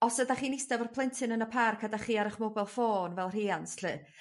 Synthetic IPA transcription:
ɔsədaχiːnɪsdɛvɔrpʰlˠɛntʰɨnənəpʰarkʰadaχiːaɾəχmɔbɛlˠfoːnvɛlˠr̥iːansɬɨ

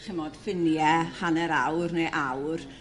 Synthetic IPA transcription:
χɪmod̥fɪnjɛhanɛɾawrnejʔawr

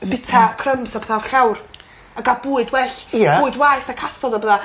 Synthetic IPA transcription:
b̥ɪtʰakʰrəmsapθavɬawr | aɡabuːɨdwɛɬjauːɨdwaɨθakʰaθɔdabəða

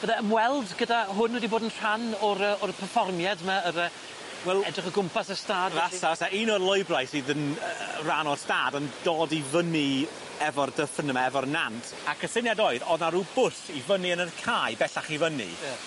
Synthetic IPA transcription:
b̥əðaəmwɛlˠdɡədaɦʊnwɛdiboːdənr̥anɔɾəɔrpʰərfɔrmjadmaəɾə | wɛlˠɛdrɪχəɡʊmpasəstaːdvasavataʔiːnɔrlˠɔjbrajsiðənəranɔrstaːdəndoːdivəni | ɛvɔrdəfənəmaɛvɔrnantʰakʰəsɪnjadoːɨðɔðnaɾubʊsivəniənərkʰajbɛɬaχivənḭ

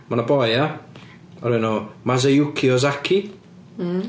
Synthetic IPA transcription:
manabɔja | ɔɾɪnoːmazejʊkʰiɔz̬akʰi

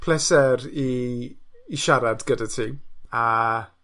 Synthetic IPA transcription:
pʰlɛsɛɾiː | ʃaɾadɡədatʰiːa

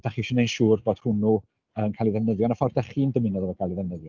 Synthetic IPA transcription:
d̥aχiʃənejnʃuːrboːd̥hʊnu | ənkʰalˠiðɛvnəðjɔnafɔrdɛχiːndəmɪnɔðɔvɔkʰaːlˠiðɛvnəðjɔ

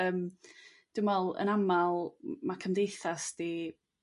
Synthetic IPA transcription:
əːm | d̥ʊmɛlˠə̰namalˠmakʰəmdejθasd̥i

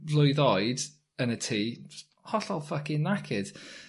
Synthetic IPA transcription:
lˠʊɨðɔjd | ənətʰiː | hɔɬɔlˠfakinakʰɪd̥

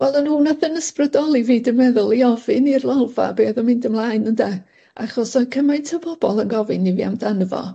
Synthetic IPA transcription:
vɛlˠənuːnaθənəsprədɔlˠiviːdəmɛðʊlˠiɔvɪnirlˠalˠva̰beːðɔmɪndəmlˠaːɨnənda | ʔaχɔsɔkʰəmajntʰəbɔb̥ɔlˠənɡɔvɨnivia̰mdanəvɔ̰

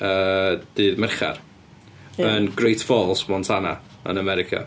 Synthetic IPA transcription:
əːd̥ɨːðmɛrχa̰r | ənɡrejtʰfoːlˠsmɔntʰana̰ | ə̰nəmɛɾɪkʰa̰

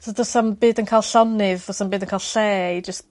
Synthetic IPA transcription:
soðʊsanbiːdənkʰaːlˠɬɔnɪvɔsambɨːdənkʰaːlˠɬɛːd͡ʒəst

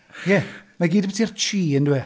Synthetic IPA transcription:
jɛmaɡiːdəbɛtʰirt͡ʃʰiːənduwɛ

